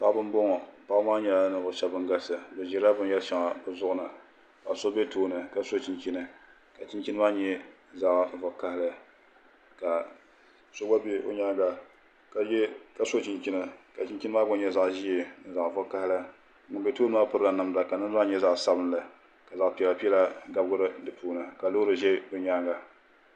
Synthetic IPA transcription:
pa˦ʔbɨ˦n˦bo˦ŋɔ˨pa˦maː˦ɲɛ˨˦la˨˦nɨ˨vʊ˨ʃa˦bɨ˦ŋɡa˦sɨ˨bɨ˨ʒɛ˦ɾa˦bɨ˦n˦jɛ˦lʃa˨ŋa˨bɨ˨zʊ˦ʔʊ˦nɨ˨ | ka˨so˦bɛ˦toː˦nɨ˨ka˨so˦t͡ʃi˦nt͡ʃi˦nɨ˨ | ka˨t͡ʃi˦nt͡ʃi˦nɨ˦maː˦ɲɛ˦ | za˦ʔvʊ˨ka˦hɪ˦lɨ˦ | ka˨ | so˦ba˦be˦o̰˦ɲa˦ɡa˨ | ka˨jɛ˦ka˨so˦t͡ʃi˨nt͡ʃi˦nɨ˨ka˨t͡ʃi˦n˦t͡ʃi˦nɨ˦maː˦bʊ˦ɲɛ˦za˨ʔʒi˦ɛ˨n˨za˨ʔvʊ˦ka˦hɪ˦lɨ˦˨˦ | ʊ˨be˦toː˦nɨ˦maː˦pʊ˦ɾɨ˦la˨na˨mda˨ka˨nɨ˦za˦ɲɛ˦za˦ʔsa˦bɨ˦n˦lɨ˨ | ka˨za˨ʔpi˨ɛ˨la˨pi˦ɛ˦la˦ɡa˦bɡʊ˦ɾɨ˦dɨ˨puː˦nɨ˨ka˨lo˦ɾɨ˨ʒɛ˦o˨ɲaː˦ɡa˨

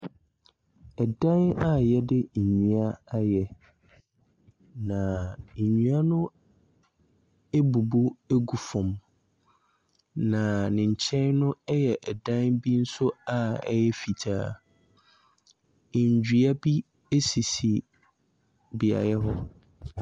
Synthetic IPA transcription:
ɛ˨dã˦na˦˨jɛ˦dɪ˦˨ɲɥũ˨a˦a˦jɛ˦ | nã˨ɲũ˦a˦nʊ̃˦ | e˦bu˨bo˦e˦ɡu˨fɔ̃˨m | nã˨nɪ̃˨ɲ̩˨t͡ɕʰɛ̃˦nnʊ̃˦ɛ˦jɛ˨ʔɛ˨dã˦nbi˦n̩˦sʊ˦a˨ɛ̰˦jɛ˦fi˨tʰaː˨ | ɲ˨d͡ʑᶣi˨a˦bi˦ | e˦si˨si˨ | bi˨a̰˨jɛ˦ɦɔ˦

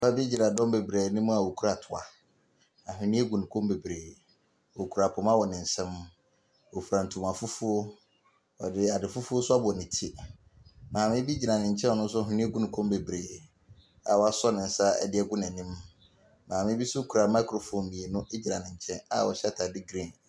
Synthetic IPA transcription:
fa˦bi˦d͡ʑi˨ɾa˨dɔ̃˦m˦be˨bɾeː˨nĩ˦m̃˦a˨wo˨kʰu˦ɾa˨tʰʊ˨a̰˨ | a˨ɦɪ̃˨nĩ˦e˦ɡũ˨nũ˨kʰõ˦mbe˨bɾeː˨ | o˨kʰu˨ɾa˨pʰʊ̃˨m˦ã˦wɔ˨nɪ̃˨n̩˨sɛ̃˦m˦ | wɔ˨fɾã˨n̩˨tʰu˨mã˨fʊ˦fʊ˦o˦ | ɔ̰˨dɪ˦a˨dɪ˨fʊ˦fʊ˦o˦sʊ˦a˦bʊ˨ɔ˨nɪ̃˨tʰi˦ | mãː˨mɪ̃˦bi˦d͡ʑi˨ã˨nɪ̃˨ɲ̩˨t͡ɕʰɛ̃˦n˦ɔ˨nʊ̃˦n˦s̬ʊ˦a˨ɦʊ̃˨nĩ˦ɡũ˦nũ˨kʰõ˦m˦be˨bɾeː˨ | a̰˨wɔ˨˦a˨sɔ˦nɪ̃˨n̩˨˦sa˦ɛ̰˦dɪ˦ɛ˦ɡʊ˦nɛ̃˨nĩ˦m | mãː˨mɪ̃˦bi˦sʊ˦kʰu˨ɾa˨mã˦kʰɾo˨fõ˨mmĩ˨e˨nʊ̃˦ʔe˦d͡ʑi˨ɾã˨nɪ̃˨ɲ˨t͡ɕʰɛ̃˦na̰˨wɔ̰˨ɕɛ˦tʰa˨dɪ˦ɡɾĩ˦n

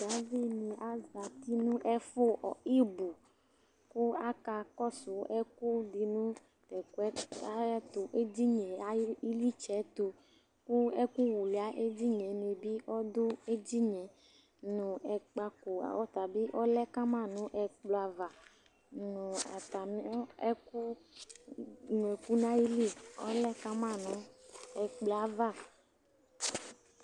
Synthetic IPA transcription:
d̪a˨˦vi˦nĩ˨ʔa˨za˨t̪i˦nũ˦ʔɛ˦fo˦ʔɔ̰˨i˦bu˨ | ku˦a˦ka˧kɔ˦sʊ˨ɛ˦ku˦di˨nũ˦ | t̪ɛ˨ku˦ɛ˦a˦t̪o˨ʔe˦d͡ʒi˦ɲɛ̃˨a˦i˦li˦t͡ʃɛ˨˦t̪o˨ | ku˦ɛ˦ku˦wu˨li˨a˨˦ʔe˦d͡ʑi˦ɲɛ̃˨me˨bi˦ʔɔ˦d̪ʊ˦e˦d͡ʒi˦ɲɛ̃˨ | nũ˨ɛ˨k͡pa˨kṵ˨ɔ˦t̪a˨bi˦ʔɔ˦lɛ˦ka˦mã˦˨nũ˦ʔɛ˨k͡plo˨a˨va˨ | nũ˨a̰˨t̪a˨m˦ɔ˦ɛ˦ku˦ | nũ˨ɛ˨ku˦nã˦i˦li˦ɔ̰˦lɛ˦ka˦mã˦˨nũ˨˦ɛ˨k͡plo˨a˨va˦˨

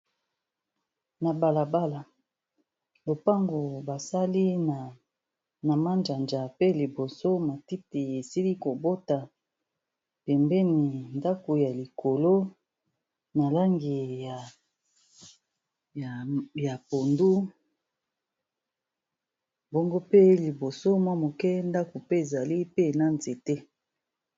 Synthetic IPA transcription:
na˨ba˨la˨ba˦la˨ | lo˨pa˦ŋɡo˨ba˨sa˦li˦na˨ | na˨ma˦nd͡ʒa˨nd͡ʒa˨pe˦li˨bo˨so˦ma˨ti˦ti˨e˨si˦li˦ko˨bo˦ta˨ | pɛ˨mbɛ˦ni˨nda˦ko˨ja˨li˨kʰo˨lo˦ | na˨la˦ŋɡi˨ja˨ | ja˨po˨ndu˦ | bo˦ŋɡo˦pe˦li˨bo˨so˦mwa˦mo˨kɛ˦nda˦ko˨pe˦e˨za˨li˦pe˦na˦nze˨te˦

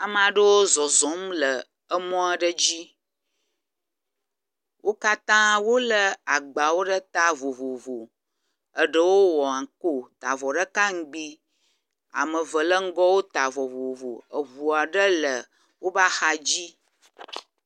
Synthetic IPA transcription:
a˨m˨ã˨ɖə˦wo˦zɔ˨zɔ̃˨˦m˦lə˨ | ə˦mɔ̃˦a˨ɖə˦d͡ʑi˦ | wʔo˦ka˦t̪ã˦wo˦lə˦a˨ɡ͡ba˨wo˦ɖə˦t̪a˦vo˨vo˨vo˨ | ə˨ɖə˦wo˦wɔ˨ã˨ko˦t̪a˨vɔ˨ɖə˦ka˦ŋ̩˦ɡ͡bi˦ | a̰˨mə˨və˨lə˦ŋ̩˦ɡɔ˦wo˦t̪a˨vɔ˨vo˨vo˨ə˨vu˨a˨ɖə˦lə˨ | wo˦ba˦xa˦d͡ʑi˦

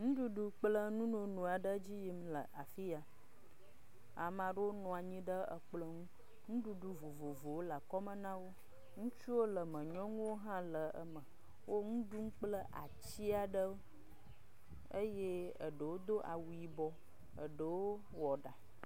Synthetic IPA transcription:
ŋũ˦ɖu˦ɖu˨k͡plə˦nũ˦nõ˨nũ˨a˨ɖə˦d͡ʑi˦ji˦mlə˨ʔa˨fi˦a˨ | a˨mã˨ɖə˦wo˦nɔ̃˨a˨ɲĩ˦ɖə˦ə̰˨k͡plə˦ŋũ˦ | ŋũ˦ɖu˨ɖu˨vo˨vo˨vo˨wo˦la˨kɔ˦mə˦nã˦wo˦ | ŋũ˦t͡ʃu˦wo˦lə˨mə̃˨ɲɔ̃˦ŋũ˦wo˦ɦã˦lə˨ə̰˦mə˨ | wo˦ŋũ˦ɖu˦ŋ̩˦k͡plə˦ʔa̰˨t͡ɕi˦a˨ɖə˦wo˦ | ə˦je˦ə̰˨ɖə˨wo˦d̪o˦ʔa̰˨wu˨i˨bɔ˦ | ə̰˨ɖə˨wo˦ | wɔ˨ɖa˨

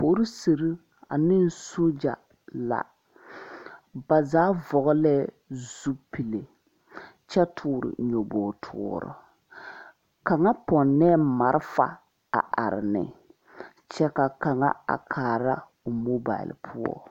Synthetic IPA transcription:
po˨˦ɾi˦se˨ɾi˦ | a̰˨nɪ˦n˦so˦d͡ʒa˨ | la̰˨ | ba˨zaː˨˦vɔ˨ɣɔ˦lɛ˦ | zu˦pi˨le˨ | t͡ʃɛ˦tʰuː˨˦˨ɾɪ̰˨ɲo˨bɔː˨tʰʊ˦˨ɔ˨ɾɔ̰˨ | ka˨ŋa˦pɔ˨nːɛː˦ma˨ɾɪ˦fa̰˨ | a̰˨ʔa̰˨ɾɪ˨nɪ̰˨ | t͡ʃɛ˦ka˨ka˨ŋa̰˦a̰˨kʰaː˨ɾa˦ | o˨mo˦ba̰˨ɪ̰˨lpʰu˦ɔ̰˦

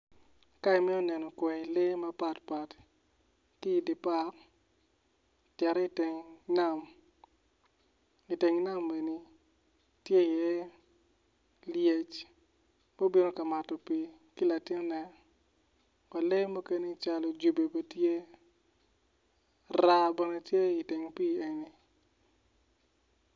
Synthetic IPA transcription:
ka˦i˨mi˦ɔ˦nɛ˨nɔ˨kwɛ˨i˨le˦ma˦pa˨tpa˨t | ki˦˨di˨pa˦k | tjɛ˨ɾɛ˦i˦te˨ŋna˦˨m | i˨te˨ŋi˦na˦mːe˨ni˨ | tje˦˨jɛ˦ | lje˦t͡ʃ | mo˦bi˦no˦ka˨ma˨tɔ˨pi˦ | ki˦la˨tɪ˦n˦nɛ˦ | kɔ˨le˦jmo˦ke˦ni˦t͡ʃa˨lo˨d͡ʒu˨be˨bo˨tje˦ | ra˦bɛ˨ne˨tje˦i˨te˨ŋpi˦e˨ni˨

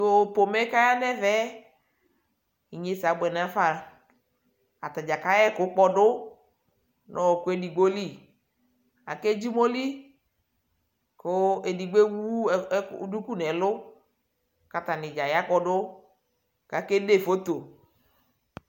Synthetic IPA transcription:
o˨po˨mɛ˦ka˦ja˦nɛ˦vɛ˦ | i˨ɲe˨˦sa˨ɡ͡bɛ˨n˨a˨˦fa˨ | a˨ta˨d͡ʒa˨ka˦jɛ˦kʊ˨˦k͡pɔ˦dʊ˦ | nʔɔ˨kʊ˦e˦di˨ɡ͡bo˦li˦˨ | a̰˨ke˦d͡ʒi˦mo˦li˦ | kʊ˦e˨di˨ɡ͡be˦wu˦˨˦du˦ku˦˨nɛ˨˦lʊ˦ | ka˨ta˨nɪ˨d͡ʒa˨ja˦k͡pɔ˦dʊ˦ | ka˨ke˦de˦˨fo˦t̪o˨

